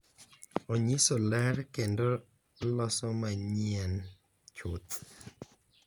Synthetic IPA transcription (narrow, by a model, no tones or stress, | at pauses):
ɔɲisolɛɾkɛndɔ | lɔsɔmaɲian | t͡ʃʰut̪